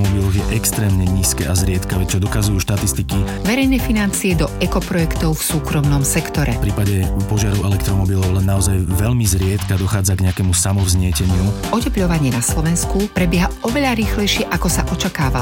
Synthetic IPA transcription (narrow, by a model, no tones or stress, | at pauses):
mɔbilˠɔɣjɛʔɛkst̪ɾɛːmɲɛɲiːskɛ̰ːazɾɪɛt̪kaʋɛt͡ʃɔd̪ɔkazujuʃt̪at̪ist̪ikiʋɛɾɛjnɛfinant͡siɛd̪ɔɛkɔpɾɔjɛkt̪ɔʊfsuːkɾɔmnɔmsɛkt̪ɔɾʔɛfpɾiːpaɟɛpɔʒɪaɾɔʊɛlɛkt̪ɾɔmɔbilɔʊlɛnːaɔzajʋɛʎmizɾɪɛt̪kad̪ɔxaːd͡zaɡɲɛakɛmusamɔvzɲɪɛcɛɲɪuʔɔcɛpʎɔʋaɲɪɛnaslɔʋɛnskupɾɛbɪjɛɦaɔʋɛʎaɾiːxlɛjʃɪɛʔakɔsa̰ʔɔt͡ʃakaːʋa